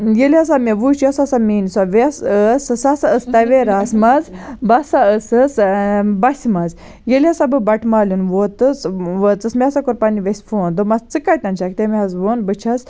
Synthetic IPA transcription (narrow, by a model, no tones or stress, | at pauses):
jelias̬ameʋut͡ʃjasasaminisaʋesəssasaəst̪aʋeɾasmazbasaəsəsbasʲimaz | jeliasabɨbɐʈʰmalʲunʋot̪əsʋot͡səsmʲiasakoɾpaniʋesʲfoːnd̪omɐzt͡sɨkajt̪ant͡ʃʰak̚t̪emiɦazʋonbət͡ʃʰas